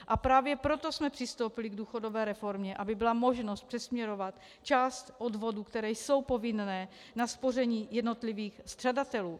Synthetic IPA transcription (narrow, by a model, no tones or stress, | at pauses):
ʔapɾaːvjɛpɾo̞t̪o̞smɛpr̥ɪst̪owpɪlɪɡduːxo̞do̞vɛːɾɛfo̞ɾmɲɛʔabɪbɪlamo̞ʒno̞st̪̚pr̝̥ɛsmɲɛɾo̞vat̪ | t͡ʃaːst̪ʔodvo̞duːkt̪ɛɾɛːjso̞wpo̞vɪnnɛː | naspo̞rɛɲiːjɛdno̞t̪liviːxst̪r̥adat̪ɛluː